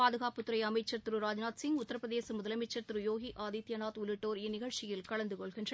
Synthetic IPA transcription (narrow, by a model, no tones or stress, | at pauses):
aːðɯɣaːpɯt̪ːɯɾɐɪɐmɐɪt͡ʃːɐɾt̪ɯɾɯɾaːd͡ʒnaːt̪sɪŋɡʊt̪ːɐɾɐpɾɐðeːsɐmʊðɐlɐmɐɪt͡ʃːɐɾt̪ɯɾɯjoːɣiʔaːðit̪jɐnaːt̪ʊlɪʈːoːɾɪnːɪɣɐɭt͡ʃɪjɪlkɐɭɐnd̪ɯkɔɭɣɪndrɐ